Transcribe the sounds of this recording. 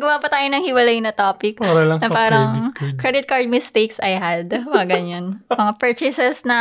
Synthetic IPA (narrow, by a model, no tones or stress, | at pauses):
ɡɐwapɐt̪aːjonɐŋhɪwɐlajnɐt̪oːpɪk̚paɾɐlɐŋnɐpaːɾɐŋkɾɛd̪ɪt̪̚kaɹd̪̚mɪst̪ejksɐjɦad̪mɐŋaɡɐɲanmɐŋapɛɹt͡ʃɪsɛsnɐ